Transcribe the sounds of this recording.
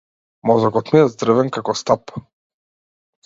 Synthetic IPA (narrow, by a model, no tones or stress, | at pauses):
mɔzɔkɔt̪miɛzd̪ɾɛvɛŋkakɔst̪ap